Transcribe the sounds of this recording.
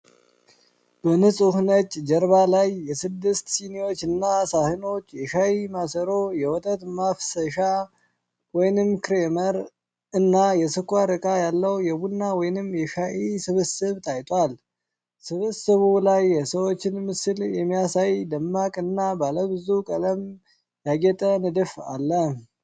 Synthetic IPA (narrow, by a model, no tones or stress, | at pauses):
b̥ənɨsʼhnət͡ʃʼːd͡ʒəɾβalajːɛsɨd̪ːɨst̪siniwo̞t͡ʃːɨnːasahɨno̞t͡ʃːjɛʃajimasəɾojɛwɔt̪ʼət̪mafsəʃa | wɔjnɨmːkɨɾeməɾ | ɨnːajɛsɨkʷʼːaɾɨkʼajalːəwjɛbunːawɔjnɨmːjɛʃaʔisɨβɨsɨβt̪ʼʰajt̪ʼwal | sɨβɨsɨβulajːɛsəwo̞t͡ʃːɪnmɨsɨljɛmːijasajd̪əmːakʼɨnːabaləbɨzukʼələm | jaɡɛt̪ʼənɨd̪ɨfa̰lːə